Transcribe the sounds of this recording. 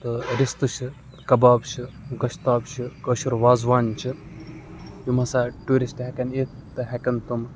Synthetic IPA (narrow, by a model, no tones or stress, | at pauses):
t̪ɨɾist̪ɨʃi | kɐbaːbʃi | ɡɐʃt̪aːbʃɨkəːʃuɾʋaːzʋaːnt͡ʃi | jumɐsaːʈuːɾisʈɦɛkɐnet̪ | t̪ːɨɦɛkɐnt̪um